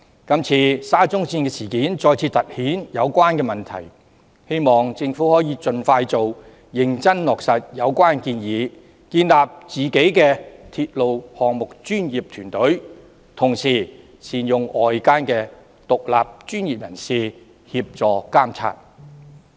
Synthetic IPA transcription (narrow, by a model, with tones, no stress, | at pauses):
kɐ˥mt͡sʰiː˧saː˥t͡sʊ˥ŋsiː˧nkɛ˧siː˨˩kiː˨˥nt͡sɔː˧jt͡sʰiː˧t̪ɐ˨t̚hiː˨˥njɐ˨˧wkʷaː˥nkɛː˧mɐ˨nt̪ʰɐ̰˨˩j | he˥jmɔː˨ŋt͡sɪ˧ŋfuː˨˥hɔː˨˥jiː˨˧t͡ʃɵ˨nfaː˧jt͡so˨w | jɪ˨˧ŋt͡sɐ˥nlɔː˨˩k̚sɐ˨t̚jɐ˨˧wkʷaː˥nkiː˧njiː˨˧˦ | kiː˧nlaː˨p̚t͡siː˨ke˨˥jkɛː˧t̪ʰiː˧t̚lo˨whɔː˨ŋmʊ˨k̚t͡ʃyː˥njiː˨p̚t̪ʰyː˨˩nt̪ɵ˨˥ɥ | t̪ʰʊ˨˩ŋsiː˨˩ | siː˨njʊ˨ŋɔː˨jkaː˥nkɛː˧ | t̪ʊ˨k̚la̰ː˨p̚t͡ʃyː˥njiː˨p̚jɐ˨˩nsiː˨˧ | hiː˧p̚t͡sɔː˨kaː˥mt͡sʰa̰ː˧t̚